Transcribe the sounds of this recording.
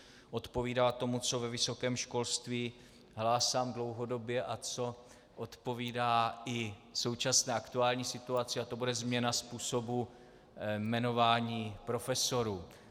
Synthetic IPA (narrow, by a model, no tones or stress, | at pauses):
ʔo̞t̪po̞viːdalat̪o̞mut͡so̞vɛvɪso̞kɛːmʃko̞lst̪viː | ɦlaːsaːmdlo̞wɦo̞do̞bjɛʔat͡so̞ | ʔot̪po̞viːdaːɪso̞wt͡ʃasnɛːʔakt̪uaːlɲiːsɪt̪uat͡sɪat̪o̞budɛzmɲɛnaspuːso̞bu | mɛno̞vaːɲiːpɾo̞fɛso̞ɾuː